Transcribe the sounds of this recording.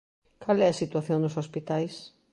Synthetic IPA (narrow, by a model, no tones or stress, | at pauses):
kalɛɐsit̪uaθjõŋnʊsospit̪ajs